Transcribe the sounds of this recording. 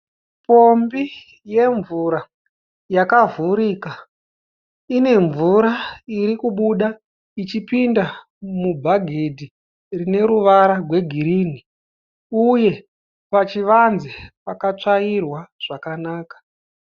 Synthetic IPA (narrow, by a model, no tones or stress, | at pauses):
po̞mbi | je̞ɱvuɾa | jakavuɾiːka | ine̞ɱvuɾaiɾikuɓuɗa | it͡ʃipinda | mubʱaɡʱedʱi | rine̞ɾuʋaɾarwe̞ɡʱiɾiːni | uje̞ | pat͡ʃiʋanzepakat͡ʂairwaʐ̥akanaːkḁ